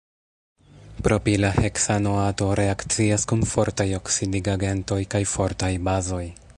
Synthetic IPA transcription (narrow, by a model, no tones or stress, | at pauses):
pɾo̞pilahe̞ksanoato̞ɾe̞akt͡siaskunfo̞ɾtajo̞ksidiɡaɡe̞nto̞jkajfo̞ɾtajbazo̞j